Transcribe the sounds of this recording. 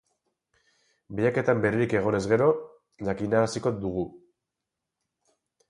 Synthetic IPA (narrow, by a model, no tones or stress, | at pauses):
bijake̞t̪ambe̞ɾeɾike̞ɣ̞o̞ne̞zɣe̞ɾo̞ | ʝakinaɾasiko̞d̪uɣ̞u